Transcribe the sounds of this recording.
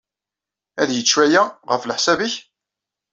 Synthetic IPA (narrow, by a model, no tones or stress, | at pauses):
æðjət͡sːwæjæʁəflħsæbəç